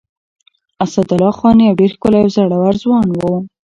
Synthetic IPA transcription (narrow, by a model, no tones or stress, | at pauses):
asad̪ʊlɑxwɑnjawɖeɾxkʊlajawzaɽawaɾzwɑnwo